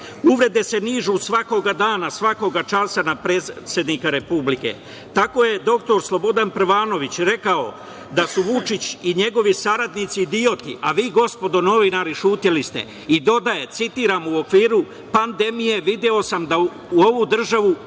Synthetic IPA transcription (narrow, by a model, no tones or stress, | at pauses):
uʋɾe̞d̪e̞se̞niːʒusʋako̞ɡad̪aːnasʋako̞ɡat͡ʃasanapɾesje̞d̪nikaɾe̞publike̞̰ | t̪ako̞je̞d̪o̞k̚t̪o̞ɾslˠo̞bo̞d̪anpɾʋaːno̞ʋit͡ɕɾe̞kao̞̰ | d̪asuʋut͡ʃit͡ɕiɲe̞ɡo̞ʋisaɾad̪nit̪sid̪io̞t̪ḭʔaʋiːɡo̞spo̞d̪o̞no̞ʋinaɾiʃuːt̪ilist̪e̞̰ | id̪o̞d̪aje̞t̪sit̪iːɾaːmuo̞kʋiːɾu | pand̪e̞mije̞ʋid̪jeo̞samd̪a | uo̞ʋud̪r̩ʒaʋu